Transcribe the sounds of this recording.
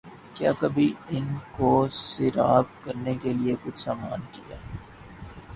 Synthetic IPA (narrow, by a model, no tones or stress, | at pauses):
kjaːkɐbʱiɪnkosɪɾaːb̚kɐɾnekeliekʊt͡ʃʰsaːmaːnkija̰ː